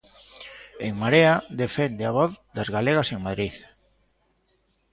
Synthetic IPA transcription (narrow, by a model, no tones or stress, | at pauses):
eŋmaɾead̪efɛnd̪eaβɔðd̪azɣaleɣaseŋmaðɾiθ